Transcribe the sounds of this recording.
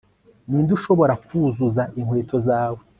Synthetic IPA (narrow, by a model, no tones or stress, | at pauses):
niːnduʃo̞βo̞ɾakuzuzaʔiŋwe̞ːtʰo̞zaːwe